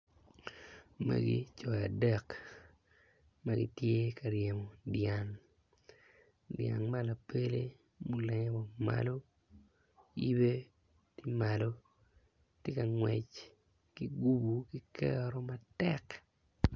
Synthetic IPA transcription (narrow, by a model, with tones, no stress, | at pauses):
ma̰˦ɡḭ˦t͡ʃɔ˨ja˨dɛ˦k | ma˦ɡḭ˦tje˦ka˨ɾje˨mo˨dja˨n | dja̰˨nma˦la˨pe˦le˦ | mu˨lɛ˨ɲ˦bo˨ma̰˦lo˦ | i˦be˦ | ti˦ma˨lo˦ | tje˦ka˨ŋwɛ˨t͡ʃ | ki˦ɡu˦bu˨ki˦kɛ̰˦ɾo˦matɛk